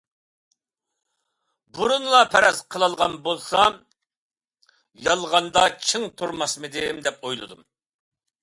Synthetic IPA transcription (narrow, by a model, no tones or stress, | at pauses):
buɾunlˠɑpʰɛɾɛzqʰəlˠɑlˠʁɑnbolˠsɑ | jɑlˠʁɑnd̪ɑt͡ʃʰiŋt̪ʰuɾmɑsmɨd̪ɪmd̪ɛpojlˠɨ̰d̪ṵm